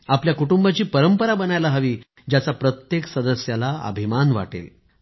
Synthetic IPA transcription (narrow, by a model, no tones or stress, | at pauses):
apljakuʈumbat͡ɕiːpəɾəmpəɾabənajlaɦəʋiː | d͡ʑjat͡sapɾət̪jeksəd̪əsjalaə̰bʱimanʋa̰ʈḛl